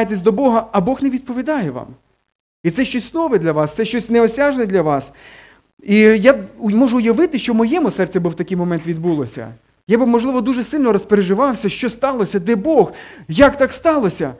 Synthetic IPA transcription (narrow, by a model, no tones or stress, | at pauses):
jet̪esʲd̪ɔbɔɦɐɐbɔxneʋʲid̪̚pɔʋʲid̪ɑjɛʋɑ̰m | it̪sɛʃt͡ʃɔsʲsnɔʋɛd̪lʲɐʋɑst̪sɛʃt͡ʃɔsʲnɛɔsʲaʒnɛd̪lʲɐʋɑs | ijamɔʒʊːjɐʋɪt̪ɪʃt͡ʃɔmɔjɛmʊsɛrt͡sʲɐbɪwt̪ɐkɪjmɔmɛnt̪ʋʲid̪bulˠɔsʲɐ̰ | jabɪmɔʒlˠɪʋɔd̪uʒɛsɪlʲnɔɾɔspeɾeʒɪʋɑwsʲɐʃt͡ʃɔst̪ɑlˠɔsʲɐd̪ɛbɔxjɐkt̪ɑkst̪ɑlˠɔsʲɐ̰